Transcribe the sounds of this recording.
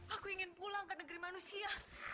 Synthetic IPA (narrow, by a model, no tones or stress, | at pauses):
akuiŋɪnpulaŋkənəɡɾimanusia